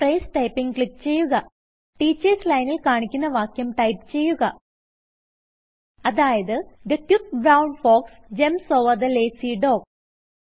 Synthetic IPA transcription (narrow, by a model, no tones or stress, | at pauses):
prejsʈɐjpːiŋɡkɭikːt͡ɕe̞jːuɣɐ | ʈiːt͡ɕːeslɐjnilkaːɳikʲːunːɐʋaːkjɐmʈɐjpt͡ɕe̞jːuɣɐ | ɐðaːjɐðɨd̪ɐkjup̚bɾɐwɳfoːks | d͡ʑemso̞ːʋɐrd̪ɐleːsiɖo̞ːk